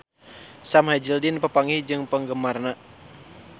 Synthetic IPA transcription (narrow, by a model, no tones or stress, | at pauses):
samhad͡ʒildinpəpaŋihd͡ʒɨŋpəŋɡəmarna